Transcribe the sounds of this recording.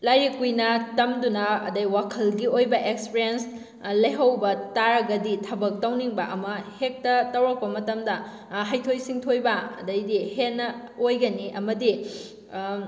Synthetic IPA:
lajɾikujnɐtɐmdunɐɐ̰dɐjwakʰɐlɡiojbɐʔekspiɾiens | lɐjɦɐwbɐtaɾɐɡɐditʰɐbɐk̚tɐwniŋbɐʔɐmɐhek̚tɐtɐwɾɐk̚pɐmɐtɐmdɐ | ɦajtʰojsiŋtʰojbɐɐ̰dɐjdihenːɐojɡɐniʔɐmɐdi

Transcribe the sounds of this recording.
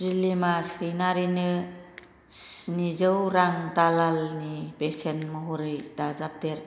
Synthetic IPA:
zilːimasɾinaɾinɯ | snizɯwɾaŋdalalnibesenmɔɦuɾɯjdazap̚teɾ

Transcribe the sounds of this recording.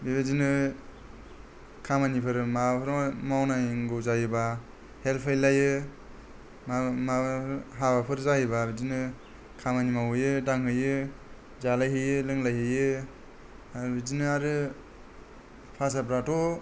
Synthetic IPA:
biβezinɯ | kʰamanipʰɯɾmapʰɾmawnaiŋɡowzajɯba | helpʰajlajɯ | mamaɦabapʰɯɾzajɯbabizinɯ | kʰamanimawɯjɯdaŋɦɯjɯ | zalajɦɯjɯlɯŋlajɦɯjɯ | abidinɯaɾɯ | pʰasapɾatɔ

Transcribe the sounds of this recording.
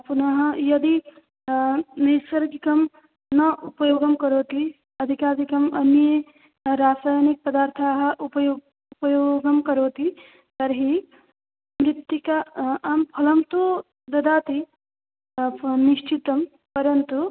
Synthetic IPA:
punɐɦɐ̃jɐd̪i | nɐjsɐɾkikɐm | nɐʔupɐjoːɡɐmkɐɾoːt̪i | ɐd̪ʱikaːɾd̪ikɐmɐnje | ɾaːsaːjnik̚pɐd̪aːɾt̪ʰaɦɐupj | upɐjoɡɐmkɐɾoːt̪i | t̪ɐɾɦi | mɾɪt̪ːjukaʔampʰɐlɐmt̪o | d̪ɐd̪aːt̪i | niʃt͡ʃit̪ɐm | pɐɾɐnt̪u

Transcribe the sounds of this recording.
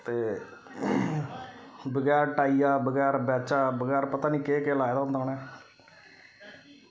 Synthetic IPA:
t̪eː | bəɡɛːɾʈaːiːaːbəɡɛːɾbɛːt͡ʃaːbəɡɛːɾpət̪aːniːkeːkeːlaːed̪aːɦʊnd̪aːoːnɛː

